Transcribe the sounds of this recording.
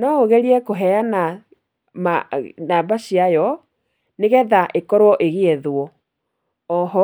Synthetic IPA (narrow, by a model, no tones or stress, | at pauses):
nɔoɣɛɾiɛkoɦɛana | manaːbaɕiajɔ | neɣɛðaʔekɔɾwɔʔeɣeɛðwɔ | ɔɦɔ